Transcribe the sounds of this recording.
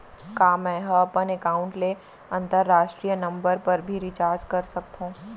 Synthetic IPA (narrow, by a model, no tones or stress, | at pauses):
kaːmɛ̃ɦɐɐpənekaːʊ̃ɳʈle | ɐ̃nt̪əɾːaːʃʈɾiːjənɐ̃mbəɾpəɾbʱiɾɪt͡ʃaːɾd͡ʒkɐɾsɐk̚t̪ɦũː